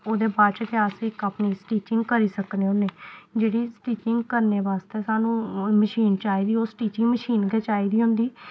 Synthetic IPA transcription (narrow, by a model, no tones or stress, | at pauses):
oːd̪eːbaːɾt͡ʃəkeaːseɪkapniːsʈiːt͡ʃɪ̃ŋɡkəɾiːsəkneːɦoneːd͡ʒeːɽiːsʈiːt͡ʃɪ̃ŋɡkəɾneːʋaːst̪eːsaːnũːməʃiːnt͡ʃaːiːd̪iːoːsʈiːt͡ʃɪŋɡməʃiːnɡɛːt͡ʃaːiːd̪iːɦʊ̃nd̪iː